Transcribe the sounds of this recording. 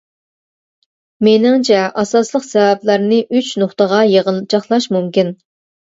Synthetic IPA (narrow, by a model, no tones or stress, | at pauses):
menɪŋt͡ʃʰɛʔɑsɑslˠəqsɛvɛplˠæɾnɨʔyt͡ʃnoχt̪əʁɑjeʁəlˠt͡ʃʰɑχlˠɑʃmumkʲin